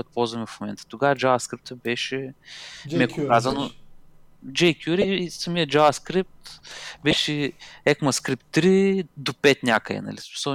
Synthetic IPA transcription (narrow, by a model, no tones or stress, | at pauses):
ɔjt̪̚pɔlˠzvɐmɛfmomɛnt̪ə̥t̪oɡaəd͡ʒavɐskɾip̚t̪əbɛʃɛ | mɛkokazɐno | d͡ʒɛjkʲjuɾisɐmiəd͡ʒavɐskɾip̚t̪bɛʃɛɛkmɐskɾip̚t̪ːɾid̪opɛt̪nʲakəɛ̰nɐ̰lismi̥səl